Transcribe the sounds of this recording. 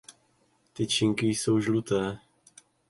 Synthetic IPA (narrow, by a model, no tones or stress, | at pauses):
t̪ɪt͡ʃɪŋkɪjso̞wʒlut̪ɛː